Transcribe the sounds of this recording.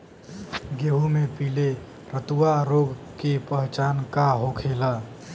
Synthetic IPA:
ɡeɦumepile | ɾət̪uwaɾoɡkepəɦt͡ʃankaɦokʰela

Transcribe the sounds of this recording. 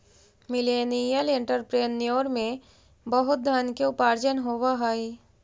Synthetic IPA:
mɪleːnijəlẽɳʈəɾpɾeːnːijoːɾmẽ | bəɦʊt̪̚d̪ʱjaːnkeʊpaːɾd͡ʒənɦoːʋaɦaːi

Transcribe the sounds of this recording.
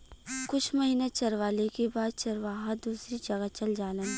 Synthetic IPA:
kʊt͡ʃʰmɐɦiːnet͡ʃɐɾʋaːlekebaːd̪̚t͡ʃɐɾʋaːɦad̪uːsɾid͡ʒɐɡət͡ʃɐld͡ʒaːlen

